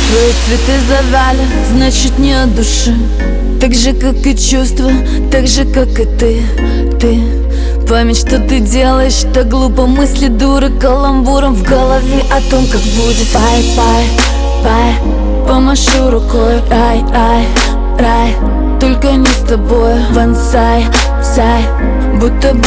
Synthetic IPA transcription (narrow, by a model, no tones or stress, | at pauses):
t̪vɐjɪsvʲɪt̪ɨzɐvʲalʲɪ | znat͡ɕɪt̪nʲɪɐd̪ʊʂɨ | t̪aɡʐɨkakɨt͡ɕust̪vəj | t̪aɡʐɨkakɨt̪ɨ | t̪ɨ | pamʲɪtʲʂt̪ot̪ɨdʲe̞lˠəjɪʂt̪ɐɡlˠupəmɨsʲlʲɪd̪uɾɨkɐlˠɐmbuɾəmvɡəlˠɐvʲɪʔɐt̪omkakbudʲɪtpajpaj | paj | pəmɐʂuɾʊkojɾaj | aj | ɾaj | t̪olʲkənʲɪst̪ɐbo̞j | vɐnsaj | fsʲaj | but̪ːə